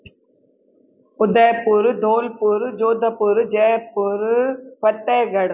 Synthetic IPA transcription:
ʊd̪ɐjpːuɾd̪oːlpuɾd͡ʒoːd̪ɐpuɾd͡ʒɐjpːuɾpɐt̪ːeːɡɐɽ

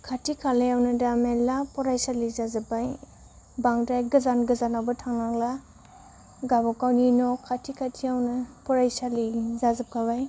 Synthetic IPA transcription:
kʰatʰikʰalajawnɯdamelapɔɾajsalizazɯbaj | baŋdajɡɐzanɡəzanawbɐtʰaŋnaŋla | ɡabɔkawninɔkʰatʰikʰatʰiawnɐpɔɾajsalizazɯp̚kʰabaj

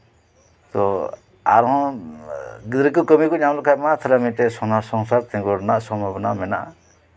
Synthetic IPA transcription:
t̪ɔ | a̰ɾɦɔ̃ | ɡid̪ɾikukəmikɔɲamlɔkʰajmat̪ʰalamit̪ɛsɔnasɔŋsaɾt̪ɛ̃ŋɡɔɾnaʔsɔmabɔnamɛna̰ʔ

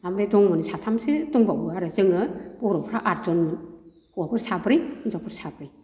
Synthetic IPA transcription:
amɾedɔŋmɯnsatʰamsedɔŋbawɯaɾɯzɯŋɯb̥ɔɾɔpʰɾaʔaɾzɔnmɯn | huwabʰɯɾsabɾɯjɯzapʰɯɾsabɾij

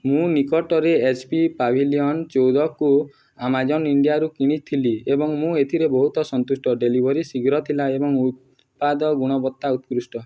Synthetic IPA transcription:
mũnikɔʈɔɾeːt͡ʃpipabʱiliɔnt͡ʃowd̪ɔku | amad͡ʒɔniɳɖijaɾukiɽ̃it̪ʰiliebɔŋmũet̪ʰiɾebɔɦut̪ɔsɔnt̪usʈɔɖelibʱɔɾisiɡɾɔt̪ʰilaebɔŋut̪̚ | pad̪ɔɡuɽ̃ɔbɔt̪ːaut̪kɾusʈɔ

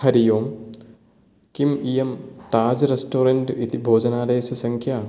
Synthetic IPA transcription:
hɐɾijoːm | kimijemt̪aːd͡ʒɾesʈoːɾɐɳʈit̪ibʱoːd͡ʒɐnaːɾɐɦesɐsɐŋkʰjaː

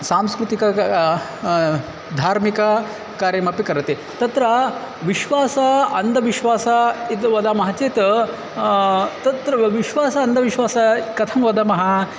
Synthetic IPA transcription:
saːmskɾut̪ikɐ | d̪ʱaːɾmikɐ | kaːɾjɐmɐpikɐɾɐt̪e | t̪ɐt̪ɾɐ | ʋiʃʋaːsɐɐnd̪ʱɐʋiʃʋaːsɐit̪ʋɐd̪aːmɐɦɐt͡ʃeːt̪ɐ | t̪ɐt̪ɾɐʋiʃʋaːsɐɐnd̪ɐʋiʃʋaːsɐkɐt̪ʰɐmʋɐd̪ɐmɐɦɐ

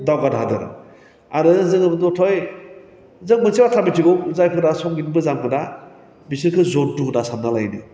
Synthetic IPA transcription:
dawɡadɦadɯ̰ɾ | aɾɯzɯŋɯbɯdɔtʰɔj | zɯŋmɯnsibatʰabitʰiɡɔwzajkʰɯdasɔŋɡinbɯzamkʰɯda | bisiɾkʰɯzɔdukdasamnalajnɯ̰

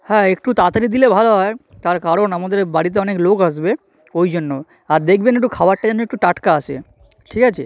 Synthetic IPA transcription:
hɛ̃ekʈut̪at̪aɾid̪ilebʱaloɦɔe | t̪aɾkaɾonamad̪eɾbaɽit̪̬eɔneklokaʃ̬be | ojd͡ʑonːo | aɾd̪ek̚ʰbenek̚ʈukʰabaʈʈːad͡ʑanoek̚ʈuʈaʈkaat͡ɕʰḛ | ʈʰikat͡ɕʰḛ

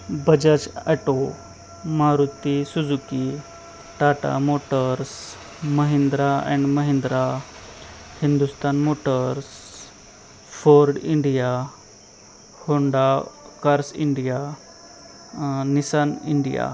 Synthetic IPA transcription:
bəd͡ʑət͡ɕaʈo | maɾut̪isud͡zuki | ʈaʈa̰moʈəɾs | məɦind̪ɾaɛ̰̃ɳɖməɦĩnd̪ɾa | hind̪ust̪anmoʈəɾs | foɾɖiɳɖija | hoɳɖa | kaɾsḭɳɖija | nisaniɳɖija̰

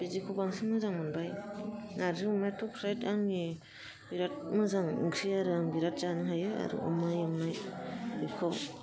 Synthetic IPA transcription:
b̥izikʰubaŋsɯŋmɯzaŋmɯnbajnaɾzɯmatʰɔpʰɾajtaŋni | biɾat̚mɯzaŋɯ̰ŋkʰiaɾɯaŋbiɾat̚z̥anɯɦajɯa̰ɾṵṵmajɯŋnajbikʰɔw

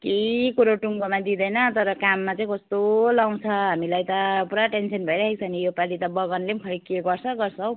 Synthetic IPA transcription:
keikuɾoʈuŋɡomad̪id̪ʌjnʌt̪ʌɾʌkamːat͡saĩkʌst̪olaw̃t͡sʰʌɦamilajt̪ʌpuɾaʈensʌnbʱʌeɾʌɦek̚sʰʌnijopalit̪ʌbʌɡʌnlemkʰʌɾikeɡʌrt͡sʰʌɡʌrt͡sʰʌw

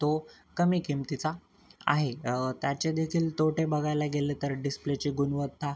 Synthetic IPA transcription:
t̪o | kəmikimt̪it͡sa | a̰ɦet̪jat͡ɕed̪ekʰiːlt̪oʈebəɡʱajlaɡelet̪əɾɖisplet͡ɕiːɡunʋəd̪t̪a

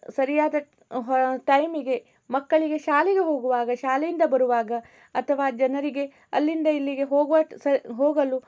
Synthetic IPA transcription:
sɐɾijaːd̪ɐ | ɦʈɐjmiɡe̞ | mɐkːɐɭiɡe̞ʃaːlɛɡe̞ɦoːɡuʋaːɡɐʃaːlɛjind̪ɐbɐɾuʋaːɡɐ | ɐt̪ʰɐʋaːd͡ʒɐnɐɾiɡe̞ | ɐlːind̪ɐilːiɡe̞ɦoːɡʋɐsɐɦoːɡɐlu

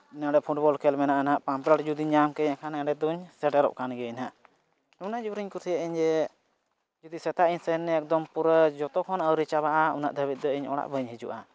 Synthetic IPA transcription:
inaɖɛpʰuʈ̚bɔlkɛlmɛnaʔnaʔpampɾaʈd͡ʒud̪iɲamkɛɲakʰanɛaɖɛd̪uɲsɛʈɛɾɔ̰ʔ̚kʰanɡɛnaʔ | nunad͡ʒuɾiɲkuɾsijaʔiɲd͡ʒɛ | d͡ʒud̪isɛt̪aʔiɲsɛnːɛɛk̚d̪ɔmpuɾəd͡ʒɔt̪ɔkʰɔnəwɾit͡ʃabaʔaṵna̰ʔd̪ʱəβit̪̚d̪ɔiɲɔ̰ɽa̰ʔbəɲɦid͡ʒṵʔa

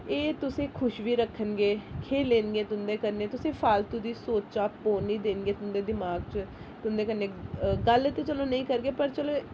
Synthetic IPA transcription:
eːt̪ʊsẽːkʰʊʃʋiːɾəkʰːənɡeːkʰeːleːnɡeːt̪ʊnd̪eːkəɾneːt̪ʊsẽːpʰaːlt̪ud̪iːsoːt͡ʃaːpoːniːd̪eːnɡeːt̪ʊnd̪eːd̪ɪmaːɡt͡ʃ | t̪ʊnd̪eːkəɾneːɡəlɪt̪eːt͡ʃəlõːnəĩːkəɾɡeːpəɾt͡ʃəloː

